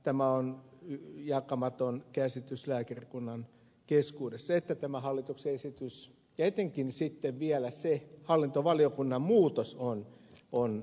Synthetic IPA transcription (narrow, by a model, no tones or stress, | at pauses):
t̪æmæonyjɑkɑmɑt̪onkæsit̪yslæːkerikunːɑn | keskuːdesːɑet̪ːæt̪æmæhɑlːit̪uksesit̪ys | kæit̪eŋkinsit̪ːeʋʋiælæsehɑlːint̪oʋɑliokunːɑmmuːt̪oson | on